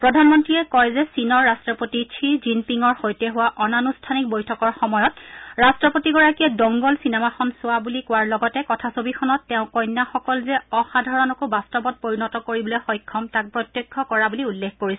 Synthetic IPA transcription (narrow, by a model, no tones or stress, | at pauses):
pɹɔdʱanmɔntɹiɛkɔjzɛsinɔɹːastɹɔpotitʰizimpiŋɔɹxojtɛɦʊwaʔɔnanustʰanik̚bojtʰɔkɔɹxɔmɔjɔt̚ɹastɹɔpotiɡɔɹakiadɔŋɡɔlsinɛmaxɔnsʊwabulikʊwaɹlɔɡɔtɛkɔtʰasobixʰɔnɔtːɛʊ̃kɔjnːaxɔkɔlzɛɔxadʱɔɹɔnɔkobastɔbɔt̚poɹinɔtɔkoɹibɔloxɔjkʰːɔmtak̚pɹɔtjekʰːɔkɔɹabuliulːekʰkoɹisɛ